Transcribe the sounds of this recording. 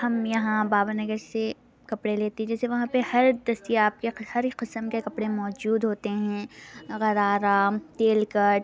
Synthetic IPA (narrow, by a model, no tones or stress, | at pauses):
hɐmjɐɦãbaːbanɐɡəɾse | kɐpɽeleːt̪eɦɛ̃d͡ʒɛːseʋɐɦãpehɐɾd̪ɐst̪ijeaːp̚kehɐɾqɪsəmkekɐpɽemɔːd͡ʒuːd̪ɦoːt̪eɦɛ̃ːɣɐɾaːɾamt̪eːlkɐʈ